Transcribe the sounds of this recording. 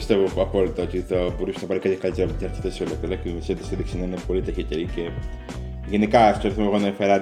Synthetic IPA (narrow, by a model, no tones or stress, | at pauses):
st̪evoɐpo̞lit̪ɐot̪it̪ɐbo̞ɾusenɐpɐɾikɐt̪çɐkɐlit̪eɾɐpt̪t̪ɐɾθe̥t̪esiolokelɐkimeset̪iseðiksinɐinepo̞lit̪eçit̪eɾice | ʝenikɐst̪oɾiθimeɣonɐefeɾɐ